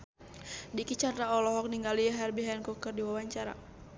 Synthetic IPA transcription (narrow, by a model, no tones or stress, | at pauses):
dikit͡ʃanraɔlɔɦɔk̚niŋɡaliaɦɛrbiɦɛnkukərdiwawaɲt͡ʃaɾa̰